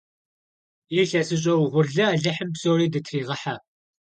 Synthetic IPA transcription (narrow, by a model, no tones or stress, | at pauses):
iːɬɐsɨɕ̬ʼɐwʁʷʊrɮɐaːɮɐħəmpsowriːdɨtʰriːʁɐħa